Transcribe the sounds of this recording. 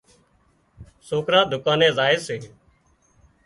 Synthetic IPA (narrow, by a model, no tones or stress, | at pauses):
soːkɾãːd̪ʱʊkãːnẽːzaːɪːseː